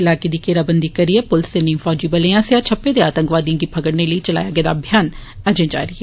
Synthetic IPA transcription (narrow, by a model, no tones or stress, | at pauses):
ɪlaːkeːd̪iːkeːɾaːbənd̪iːkəɾiɛːpʊlɪseːnəĩːfʰɔːd͡ʒiːbəlẽãːsjaːt͡ʃʰəpːeːd̪eːaːt̪ə̃ŋkʋaːd̪ĩːɡiːpʰəkəɽneːləiːt͡ʃəla̰ːjaːɡɛːd̪a̰ːbʱjaːn | ɛd͡ʒẽːd͡ʒa̰ːɾiɛː